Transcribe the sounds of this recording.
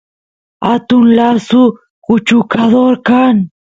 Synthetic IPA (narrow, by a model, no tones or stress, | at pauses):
a̰t̪ʊnlasʊ | kʊt͡ʃʊkad̪oɾkaŋ